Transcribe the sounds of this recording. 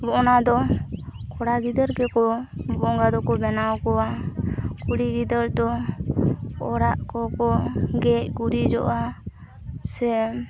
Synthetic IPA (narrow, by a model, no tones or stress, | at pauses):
bɔʔɔnad̪ɔ | kɔɽaɡid̪əɾkɛkɔbɔɔŋɡad̪ɔkɔbɛnawkɔa | kuɽiɡid̪əɾd̪ɔ | ɔɽaʔkɔkɔɡɛc̚ɡuɾid͡ʒɔ̰ʔa | sɛ